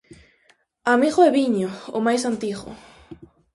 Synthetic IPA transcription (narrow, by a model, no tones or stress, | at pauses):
amiɣoɛβiɲoʊ̰majsant̪iɣʊ̰